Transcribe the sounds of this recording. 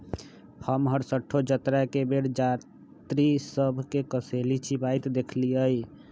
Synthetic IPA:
həmɦəɾsəʈʰːod͡ʒət̪ɾakebeɽd͡ʒa | t̪ɾisəbʱkekəselit͡ʃʰibajt̪d̪ekʰliəj

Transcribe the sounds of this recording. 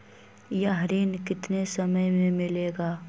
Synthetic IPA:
jaɦɾiːnkɪt̪nesɐməjmẽmɪleːɡaː

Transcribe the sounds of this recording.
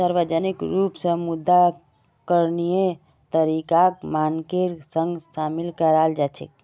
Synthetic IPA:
səɾʋəd͡ʒənikɾupsə̃mud̪ːa | kəɾnije | t̪əɾikakmankeɾsə̃ŋɡsamilkəɾald͡ʒat͡ʃʰḛk

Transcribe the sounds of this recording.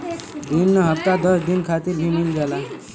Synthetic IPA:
d̪inːəɦəpt̪ad̪əsd̪inkʰat̪iɾbʱimilɡɛla

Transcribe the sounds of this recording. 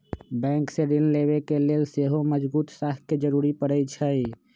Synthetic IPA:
bɛ̃ŋkseɾilleβekelelseɦoməd͡ʒbuːt̪saɦked͡ʒəɾuɾipəɾət͡ʃʰə

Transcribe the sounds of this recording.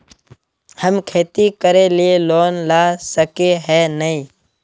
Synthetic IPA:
həmkʰeːt̪ikəɾeːlɪeloːnlaːsəkeɦɛːnəĩː

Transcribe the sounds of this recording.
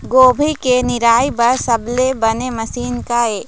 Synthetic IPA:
ɡoːbʱikenɪɾaːipɐɾsɐblebɐnemɐsiːnkaeː

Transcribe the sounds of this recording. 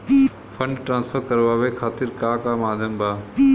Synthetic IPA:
fʰɐ̃ɳɖʈɾãːnsfʰəɾkɐɾʋaːʋekʰaːt̪ɪɾkaːkaːmaːd̪ʱjəmbaː

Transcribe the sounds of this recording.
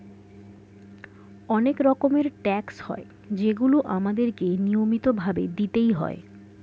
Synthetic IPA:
ɔnekɾɔkomeɾʈɛkshɔ̰e | d͡ʑeɡuloʔamad̪eɾkenijomit̪obʱabḛd̪it̪ejɦɔ̰e

